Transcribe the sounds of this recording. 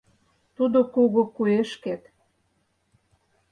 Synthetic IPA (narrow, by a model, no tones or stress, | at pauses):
t̪ud̪okuɣokueʃket̪